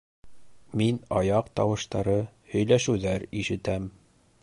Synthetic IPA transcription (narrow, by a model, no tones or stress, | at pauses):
minɒjɑqt̪ɒwɤ̆ʃt̪ɑɾɤhɵ̆jlæʃʉwðæɾiʃɘ̆t̪æm